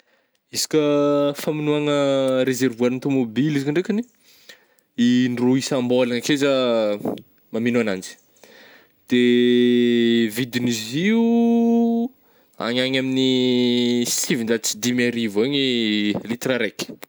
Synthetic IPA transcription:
izi̥kʲəfaminuaŋəɾezervuaɾint̪umobilizikiɳɖ͡ʐekani̥ | iɳruisambolaŋəkeza | maminoanand͡ʒi̥ | d̪̥e | vid̪iniziu | a̰ɲaɲamini | sivind̪at͡sid̪imaɾivoɲilit̪raɾek

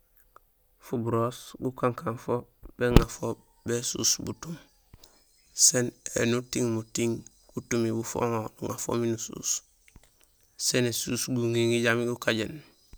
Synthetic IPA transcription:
fubuɾosɡukaŋkanfob̥eŋafo | besṵːsbṵtum | senḛnutiŋmutiŋ | ɡ̥utumibufo̰ŋonuŋa̰fo̰minusṵːs | senesuːsɡuŋiŋiɟamiɡukaɟen

